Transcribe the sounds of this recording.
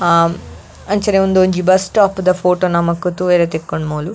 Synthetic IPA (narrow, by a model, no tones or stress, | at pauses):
ɐnt͡ʃɐneund̪oːɲd͡ʒibɐsʈaːpd̪ɐpʰoːʈonɐmɐkut̪uʋeɾet̪ekːoɳɖmuːlu